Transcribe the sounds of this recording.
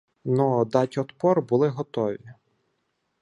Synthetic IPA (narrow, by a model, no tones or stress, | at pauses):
nɔd̪ɑtʲɔt̪pɔrbʊlˠɪɦɔt̪ɔʋʲi